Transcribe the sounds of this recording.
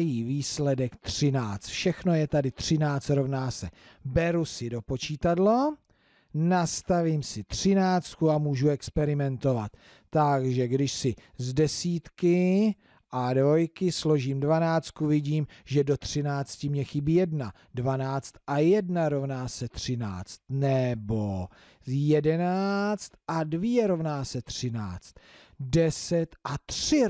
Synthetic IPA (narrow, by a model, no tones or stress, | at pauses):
jiːviːslɛdɛkt̪r̥ɪnaːt͡st̪fʃɛxno̞jɛt̪adɪt̪r̝̥ɪnaːt͡st̪ɾo̞vnaːsɛ | bɛɾusɪdo̞po̞t͡ʃiːt̪adlo | nast̪aviːmsɪt̪r̝̥ɪnaːt͡st̪̚kuamuːʒuɛkspɛɾɪmɛnt̪o̞vat̪ː | aɡʒɛɡdɪʃsɪzdɛsiːt̪kɪ | ʔadvo̞jkɪslo̞ʒiːmdvanaːt͡st̪̚kuvɪɟiːmʒɛdo̞t̪r̥ɪnaːt͡scɪmɲɛxɪbijɛdna | dvanaːt͡st̪ʔajɛdnaɾo̞vnaːsɛt̪r̝̥ɪna̰ːt͡st̪nɛbo̞ | jɛdɛnaːt͡st̪ʔadvjɛɾo̞vnaːsɛt̪r̥ɪna̰ːt͡st̪ | dɛsɛt̪ʔat̪r̥ɪ